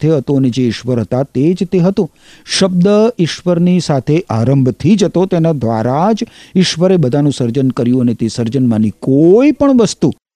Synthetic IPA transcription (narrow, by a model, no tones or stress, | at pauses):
t̪ʰeɦət̪ũəned͡ʒeɪʃʋəɾɦət̪at̪ed͡ʒt̪eɦət̪ũ | ʃəb̚d̪əɪʃʋəɾnisat̪ʰeʔaɾəmbʱt̪ʰid͡ʒət̪ot̪enad̪ʋa̰ɾad͡ʒɪʃʋəɾebəd̪ʱanũsəɾd͡ʒənkəɾjũənet̪esəɾd͡ʒənmanikoipəɳʋəst̪u